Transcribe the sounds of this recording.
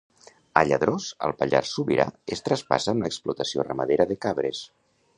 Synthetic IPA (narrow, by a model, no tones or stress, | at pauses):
əʎəðɾosə̰lˠpəʎaɾsuβiɾa̰est̪ɾəspa̰səːmləksplut̪əsiorəməðeɾəðəkaβɾes